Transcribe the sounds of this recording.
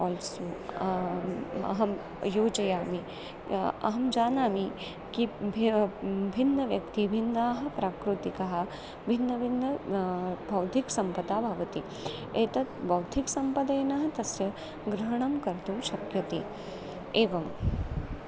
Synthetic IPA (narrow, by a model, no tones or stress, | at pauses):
ɔːlsoː | ɐ̰ɦɐm | joːd͡ʒɐjaːmi | ɐ̰ɦɐmd͡ʒaːnaːmi | kib | bʱinːɐʋjɐkt̪ibʱind̪aːɦɐ̆pɾaːkɾut̪ikɐɦɐ̆ | bʱinːɐbʱinːɐ | bʱɐwt̪iksɐmpɐd̪aːbʱɐʋɐt̪i | eːt̪ɐt̪bʱɐwt̪ʰiksɐmpɐd̪ɐjnɐɦɐ̆t̪ɐsjɐ | ɡɾɐɦɐɳ̃ɐmkɐɾt̪umʃɐkjɐt̪i | eːʋɐm